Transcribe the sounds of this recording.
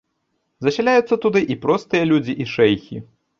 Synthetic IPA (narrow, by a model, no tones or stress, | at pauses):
zɐɕʲalʲajut̪sːɐt̪ud̪ɨʔipɾɔst̪ɨjɐlʲud͡zʲiʔiʂɛjxʲḭ